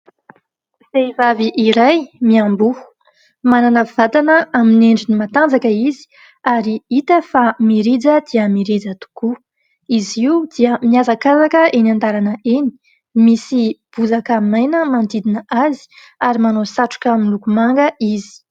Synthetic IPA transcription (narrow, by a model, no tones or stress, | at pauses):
z̥eivaviʔiɾajmiambuhu̥ | mananəv̥at̪anəamineɳɖ͡ʐinimat̪and͡zakəizi̥ | aɾiit̪əfamiɾid͡zəd̪̥iəmiɾed͡zət̪u̥ku | iziud̪̥iəmiazakazakəenand̪aɾanəʔeni̥ | misib̥uzakamajnəmand̪id̪inəʔazi̥ | aɾimanosaʈ͡ʂu̥kʲaminlukumaŋɡəizi̥